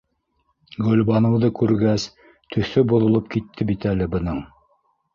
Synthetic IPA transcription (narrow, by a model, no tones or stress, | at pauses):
ɡɵ̆lbɑnɤ̆wðɤkʉɾɡæs | t̪ʰɵ̆θɵbuðŏlˠɤp̚kit̪ʰːɘbit̪ælɘbɤ̆nɤɴ